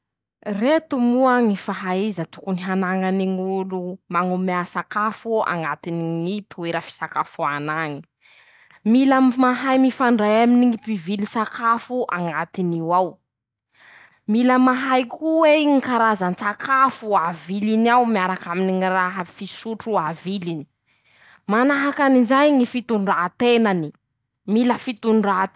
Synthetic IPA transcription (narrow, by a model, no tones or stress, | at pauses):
ret̪umuəŋifaɦaizət̪ukuniɦanaŋaniŋulumaŋumeasakafua̰ŋɡat̪iniŋit̪ueɾəfi̥sakafuanaŋi̥ | milammaɦajmifaɳɖ͡ʐajaminiŋipivilisakʰafuʔaŋɡat̪iniwaw | miləmaɦajkʰuweŋikaɾazansakʰafuavilinawmiaɾakaminiŋiraɦəfisuʈ͡ʂuavilini̥ | manaɦakanizajŋifit̪uɳɖ͡ʐat̪enani | miləfit̪uɳɖ͡ʐa